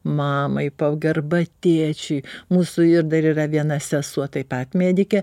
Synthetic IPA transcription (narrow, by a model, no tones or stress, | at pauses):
mɑːmɐɪpɐɡɐrbɐt̪ʲeːt͡ʃʲɛɪmuːsʊɪɾd̪ɐɾiːrɐʋʲiɛnɐsʲɛsuɔt̪ɐɪpɐt̪mʲeːd̪ʲɪkʲɛ